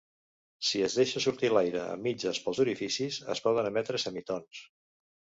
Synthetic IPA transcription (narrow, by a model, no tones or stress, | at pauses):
siəzðeʃəsuɾt̪ilajɾə̰ə̰mːid͡ʒəspəlˠzuɾifisizə̰spɔðənəmɛt̪ɾəsəmit̪ons